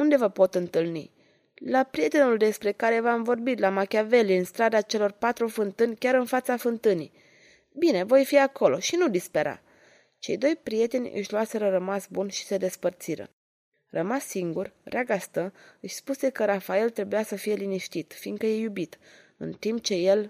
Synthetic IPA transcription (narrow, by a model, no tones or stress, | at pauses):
und̪e̞vəpo̞t̪ɨnt̪ɨlnḭ | lapɾije̞t̪e̞nuld̪e̞spɾe̞kaɾe̞vamvo̞rbit̪lamakʲave̞liɨnst̪ɾad̪at͡ʃe̞lo̞rpat̪ɾufɨnt̪ɨnʲkʲaɾɨnfat̪safɨnt̪ɨnḭ | bine̞vo̞jfiako̞lo̞̰ʃinud̪ispeɾa̰ | t͡ʃe̞jd̪o̞jpɾije̞t̪e̞nʲɨ̰ʃluase̞ɾəɾəmasbunʃi̥se̞d̪e̞spərt̪siɾə̰ | rəmasːiŋɡurrʲeʔaɡast̪əɨʃʲspuse̞kəɾafae̞lt̪ɾe̞bujasəfije̞liniʃt̪it̪finkəje̞jubit̪ɨ̰nt̪imp̚t͡ʃe̞je̞l